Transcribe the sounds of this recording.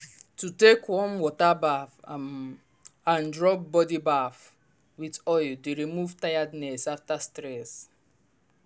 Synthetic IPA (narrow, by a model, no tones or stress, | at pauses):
tutekwɔ̃nwɔtabaf | ãndɹɔp̚bɔdibaf | witɔjldeɾimuvtajadnɛsaftastɾɛs